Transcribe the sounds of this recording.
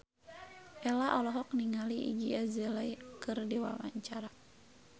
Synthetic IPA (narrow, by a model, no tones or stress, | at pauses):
ʔɛlaʔɔlɔɦɔk̚niŋaliḭd͡ʒiazɛlajkɨrdiwa̰ma̰ɲt͡ʃaɾa